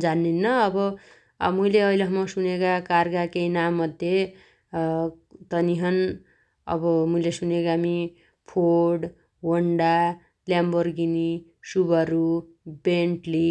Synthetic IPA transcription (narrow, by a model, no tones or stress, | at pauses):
d͡zanːinːʌʌbʌ | mujleʌilʌɦʌmʌsunekakarɡakejnamːʌd̪ʱje | t̪ʌniɦʌn | ʌ̰bʌmujlesunekaami | pʰoɽ | wʌɳɖa | ljambʌrɡini | subʌɾu | beɳʈli